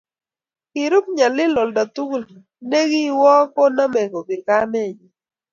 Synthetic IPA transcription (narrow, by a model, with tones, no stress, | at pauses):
kɪ˨ɾʊ˦p̚ɲa˨lɪ˦lɔ˨lda˨tu˦ɡl | ne˦ɡi˦wɔ˦kɔ˦na˦mɛ˨ŋɡo˨ɡɪ˨ka˦mɛ˦˨ɲi˨